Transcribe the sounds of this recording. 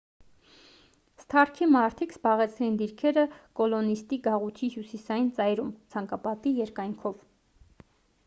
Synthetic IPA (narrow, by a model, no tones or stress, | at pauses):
st̪ʰɑrkʰimɑɾt̪ʰikzbɑʁɛt͡sʰɾɛjind̪iɾkʰɛɾəkɔlɔnist̪iɡɑʁut̪ʰihjusisɑjint͡sɑjɾumt͡sʰɑŋkɑpɑt̪ijɛɾkɑjŋkʰɔv